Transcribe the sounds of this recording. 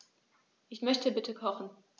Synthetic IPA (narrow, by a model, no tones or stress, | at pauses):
ʔɪçmœçtəbɪtʰəkʰɔχn̩